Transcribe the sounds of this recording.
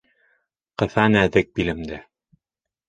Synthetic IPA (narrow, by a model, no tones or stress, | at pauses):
qɤ̆θɑnæðɘk̚bilɘ̆md̪ɘ